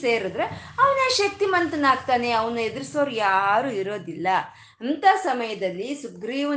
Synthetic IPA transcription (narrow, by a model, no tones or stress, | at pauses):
seːɾud̪ɾeɐʋɐneːʃɐk̚t̪imɐnt̪ɐnaːɡ̚t̪aːne̞ɐʋɐnued̪ɾisoːɾjaːɾuːiɾo̞ːd̪ilːɐ | ɐnt̪asɐmɐjɐd̪ɐlːisuɡɾiːʋɐ